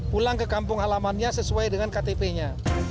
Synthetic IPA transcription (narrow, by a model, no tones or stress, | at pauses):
pulaŋkəkampʊŋɦalamanɲasəsuajdəŋankat̪epeɲa